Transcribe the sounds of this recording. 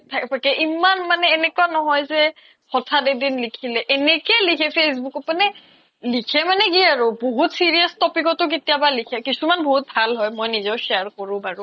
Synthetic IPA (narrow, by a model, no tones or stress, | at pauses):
tʰakpakɛʔimanmanɛːnɛkwanɔɦɔjzɛ | xɔtʰadedinlikʰilɛʔɛnɛkɛlikʰɛpʰes̬bukɔmanɛ | likʰɛmanɛɡiaɹʊboɦutsiɹijastɔpikɔtʊk̬itijabalikʰɛkisumanboɦut̚bʱalɦɔjmojnizɔwʃɛaɹkɔɹʊ̃baɹʊ̃